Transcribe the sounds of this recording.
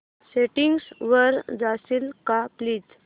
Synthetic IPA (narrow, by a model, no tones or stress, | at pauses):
seʈiŋɡsʋəɾd͡zasilkapliːd͡z